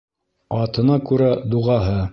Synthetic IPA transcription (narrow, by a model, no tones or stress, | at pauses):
ɑt̪ɤ̆nɑkʉɾæd̪uʁɑɦɤ